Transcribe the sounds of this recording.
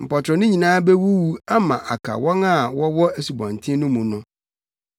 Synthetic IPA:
m̩˨pɔ˨tʰɾɔ˨nɪ̃˦ɲĩ˨nãː˦bɛ˦wu˦wu˦a˦mã˨ʔa˨kʰa̰˨wɔ̃˦ŋa˦˨wɔ˦wɔ˦æ˨su˨bɔ̰̃˨n˨tʰɪ̃˦nʊ̃˦mũ˨nʊ̃˦

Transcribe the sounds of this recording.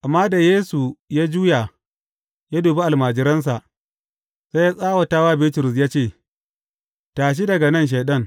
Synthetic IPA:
ʔa˨mːaː˦da˨jeː˦su˨jaː˦d͡ʒuː˦ja˨ | ja˦duː˨be˦ʔa˨lmaː˨d͡ʒɪ˦ɾɐ˦ns̬a˨ʔ | se˦jaː˦sʼaː˦wa˨taː˦waː˦bɪː˦tʊ˨ɾʊ˨s̬jaː˦t͡ʃeː˦˨ | taː˨ʃ̬i˦dɐ˨ɡa˨nɐ˦nʃ̬eː˨ɗɐ˦ŋ

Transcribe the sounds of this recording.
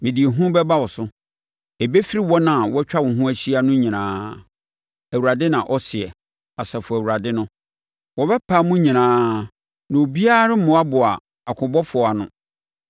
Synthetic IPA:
mɪ̃˨di˨e˨ɦũ˦bɛ˦ba˦wɔ˨sʊ˦ | e˨be˦fi˦ɾi˦wɔ˦nã˨wɔ˦t͡ɕᶣa˦wɔ̃˨ɦũ˦æ˦ɕi˦a˦nʊ̃˦ɲĩ˨nãː˦ | æ˨wu˨a˨dɪ˦nã˨ʔɔ˦sɪ˨ɛ˨ | a˨sɛ˨fʊ˨æ˨wu˨ɾa˨dɪ˦nʊ̃˦ | wɔ˨bɛ˦pʰa˦mũ˦ɲĩ˨nãː˦ | nã˨o˨bi˦a˦ɾɪ˦mʊ̃˨˦a˦bʊ˨a̰˨ | a˨kʰʊ̃˨bɔ˦fʊ˨ɔ˨a˨nʊ̰̃˨

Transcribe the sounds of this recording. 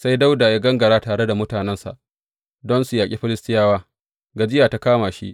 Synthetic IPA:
sa˦jda˦wdaː˨ja˦ɡɐ˦ŋɡɐ˨ɾaː˦taː˨ɽe˦da˨mʊ˦taː˨nɛ˦nsa̰˨ʔ | dɔ˦nsu˨jaː˨kʼi˦ɸɪ˦lɪ˦stɪ˦jaː˦waː˦ | ɡa˨d͡ʒɪ˦jaː˨ta˦kaː˦maː˨ʃḭ˦ʔ

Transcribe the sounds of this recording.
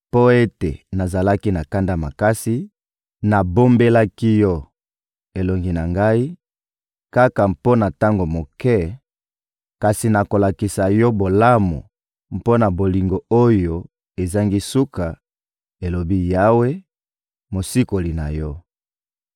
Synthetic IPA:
po˦e˦tḛ˨na˨za˨la˦ki˦na˨ka˦nda˦ma˨ka˦si˦ | na˨bo˦mbe˦la˦ki˦jɔ˦ | e˨lo˨ŋɡi˦na˨ŋɡa˦i˦ | ka˦ka˨mpo˦na˨ta˦ŋɡo˨mo˨kɛ˦ | ka˨si˨na˨ko˨la˨ki˨sa˨jɔ˦bo˨la˦mo̰˨ | m̩˨po˦na˨bo˨li˨ŋɡo˨o˦jo˨ | e˨za˦ŋɡi˦su˦ka˨ | e˨lo˨bi˦ja˦we˦ | mo˨si˦ko˨li˨na˨jɔ˦

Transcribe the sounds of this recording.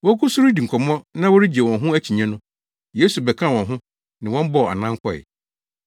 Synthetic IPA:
wɔ˦kʊ˦su˦ɾi˦di˨ŋ̩˨kʰɔ˨m˦ɔ̃˦nã˦wɔ˦ɾi˦d͡ʑi˨e˨wɔ̃˨nɦʊ̃˦æ˦t͡ɕʰi˨ɲɛ̃˦nʊ̃˦ | je˦su˨bɛ˨kʰã˦˨wɔ̃˨nɦʊ̃˦ | nɪ̃˨wɔ̃˦m˦bɔ˦˨a̰˨nã˦ŋ˦kʰɔ˦ɛ̰˨

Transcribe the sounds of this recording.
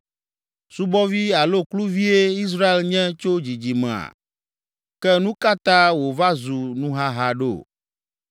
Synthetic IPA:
su˦bɔ˦vi˦a˨lo˦klu˦vi˦e˦i˦s̬ɾa˦e˨lɲɛ̃˦t͡ʃo˦d͡ʑi˨d͡ʑi˨mẽ˨a̰˨ | kɛ˦nũ˦ka˦t̪ã˦wo˨va˦zu˨nũ˦ɦa˦ɦa˨ɖo̰˦˨

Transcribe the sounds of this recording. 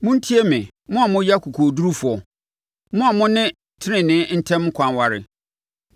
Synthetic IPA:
mʊ̃˦n̩˦tʰi˦e˦mɪ̃˨ | mʊ̃˦a˨mʊ̃˦ja˦kʰu˨kʰo˨du˦ɾu˦fʊ˨ɔ˨ | mʊ̃˦a˨mʊ̃˦nɪ̃˦ | tʰɪ˦nɪ̃˨nɪ̃˦n̩˦tʰɛ̃˦m˦ŋ̩˦kʰã˨nwa˨ɾɪ̰˨

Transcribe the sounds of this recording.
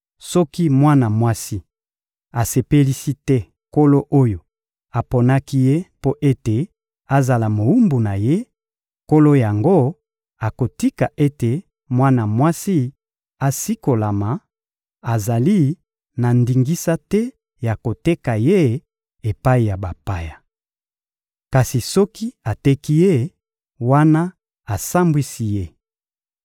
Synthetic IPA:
sɔ˦ki˦mwa˦na˨mwa˦si˦ | a˨se˨pe˦li˦si˦tɛ˦ | ko˦lo˦ʔo˦jo˨ | a˨po˨na˦ki˦je˦po˦ʔe˦te˨ | a˨za˨la˨mo˨u˦mbu˨na˨je˦ | ko˦lo˦ja˨ŋɡo˦ | a˨ko˨ti˦ka˨ʔe˦te˨ | mwa˦na˨mwa˦si˦ | a˨si˦ko˨la˨ma˨ | a˨za˨li˦ | na˨ndi˨ŋɡi˦sa˦tɛ˦ | ja˨ko˨te˦ka˨je˦ | e˨pa˦i˨ja˨ba˨pa˦ja˨ | ka˨si˨sɔ˦ki˦a˨tɛ˦ki˦je˦ | wa˦na˦ | a˨sa˦mbwi˦si˦je˦

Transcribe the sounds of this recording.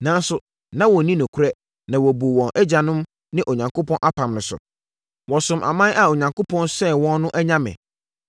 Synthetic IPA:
nã˨˦n˦sʊ˨ | nã˦wɔ̃˨nĩ˦nʊ̃˨kʰu˦ɾɛ˦ | nã˨wɔ˨bu˨wɔ̃˨nʔɛ˦d͡ʑa˨nʊ̃˦m | nɪ̃˦ʔo˨ɲã˨ŋko˦pʰɔ̃˦nʔa˦pʰã˨mnʊ̃˨sʊ̰˨ | wɔ̃˨sʊ̃˨mʔa̰˨mã˦ʔa˨o˨ɲã˨ŋko˦pʰɔ̃˦nsɛ˦wɔ̃˦nːʊ̃˦ʔɛ˦ɲã˦mɪ̰̃˨

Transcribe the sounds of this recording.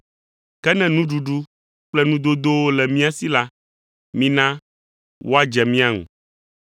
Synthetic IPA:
kɛ˦nɛ̃˦nũ˦ɖu˨ɖu˦ | k͡plɛ˦nũ˦d̪o˦d̪o˦wo˦lɛ˨mĩ˦a˦si˦la˦ | mĩ˦nã˦ | wʔo̰˦a˦d͡ʒɛ˨mĩ˦a˦ŋṵ̃˨

